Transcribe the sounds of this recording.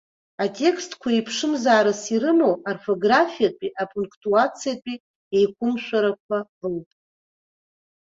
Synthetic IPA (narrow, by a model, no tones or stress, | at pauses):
atʼe̞kʰstʰkʷʰaipʰʂɨmzaːɾɨsiɾɨmowarfo̞ɡrafijat͡pʼiʔapʰʼuŋkʰʼtʼuat͡sʰijapʷʼi | ejkʷʰʼʊmʃʷᶣaɾakʷʰabɨlpʼ